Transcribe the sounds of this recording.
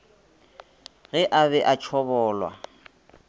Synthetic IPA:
ɣɛʔaβɛʔat͡ʃʰɔbɔːlwa̰

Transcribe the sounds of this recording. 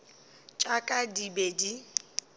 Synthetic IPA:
t͡ʃʼakʼadibedi

